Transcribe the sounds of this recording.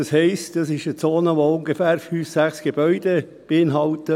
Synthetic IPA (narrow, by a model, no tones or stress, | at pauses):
ɑshɛɪstd̥ɑsɪʃət͡soːnəʋoʊŋɡefæːɾfyːfsæχsɡ̥ebœʏd̥e | b̥eɪnɦɑltə